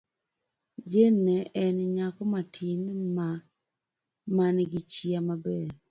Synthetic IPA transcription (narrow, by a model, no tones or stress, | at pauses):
d͡ʒenːɛʔɛnɲakɔmatʰɪn | manɡɪt͡ʃiamabɛɾ